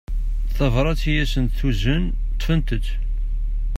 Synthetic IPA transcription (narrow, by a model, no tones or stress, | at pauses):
θɑvɾˤɑt͡sːijæsənθuzən | t̪ːfənt̪əd̪